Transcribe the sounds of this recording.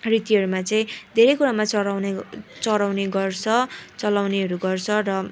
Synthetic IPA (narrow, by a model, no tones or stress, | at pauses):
rit̪iɦʌɾumat͡saĩd̪ʱeɾʌjkuɾamat͡sʌawnt͡sʌɾawneɡʌrt͡sʰʌt͡sʌlawneɦʌɾuɡʌrt͡sʰʌrʌ